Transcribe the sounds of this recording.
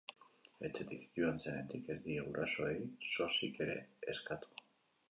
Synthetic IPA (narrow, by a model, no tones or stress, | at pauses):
e̞t͡set̪ikʝuansenend̪ikeɾðieɣuɾʔaso̞ejso̞sike̞ɾe̞̰ːskat̪u̥